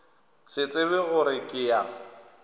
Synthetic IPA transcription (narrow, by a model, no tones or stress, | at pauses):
sɪt͡sʼɪβɪɣʊɾɪkʼɪa